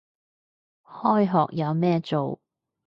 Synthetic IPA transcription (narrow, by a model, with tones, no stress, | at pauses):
hɔː˥jɦɔː˨k̚jɐ˨˧wmɛː˥t͡so˨w